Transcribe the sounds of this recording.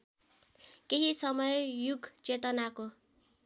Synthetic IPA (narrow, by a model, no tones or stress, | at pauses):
keɦisʌmʌjjuɡʱt͡set̪ʌnako